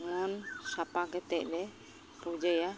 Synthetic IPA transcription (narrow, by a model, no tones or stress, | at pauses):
mɔnsapaɡɛt̪ɛclɛ | pud͡ʒəja